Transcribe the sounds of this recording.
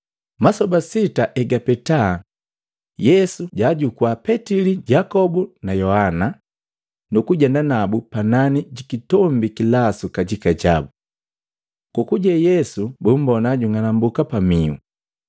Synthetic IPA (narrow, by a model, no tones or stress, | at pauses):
masɔbasitaʔɛɡapɛta | jɛsuɟaɟukwapɛtiliɟakɔbunajɔhana | nukuɟɛndanabupananiɟikitɔmbikilasukaɟikaɟabu | kukuɟɛjɛsubum̩bɔnaɟuŋanambukapamiṵ